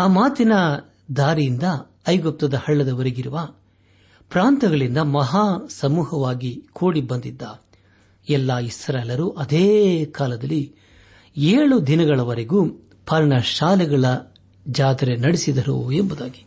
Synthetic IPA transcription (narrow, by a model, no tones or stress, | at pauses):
aːmaːt̪inɐ | d̪aːɾijind̪ɐː | jɡɔp̚t̪ɐd̪ɐhɐɭːɐd̪ɐʋɐɾeɡiɾuʋɐ | pɾaːnt̪ɐɡɐɭind̪ɐmɐɦaːsɐmuːhɐʋaːɡikʰoːɽibɐnd̪id̪ːa | ɛlːaːisɐɾɐlːɐɾuʔɐd̪eːkaːlɐd̪ɐlːi | eːɭud̪inɐɡɐɭɐʋɐɾeɡuː | pʰɐɾɳɐʃaːlɛɡɐɭɐ | d͡ʒaːd̪ɐɾenɐɽisid̪ɐɾṵembud̪aːɡi̥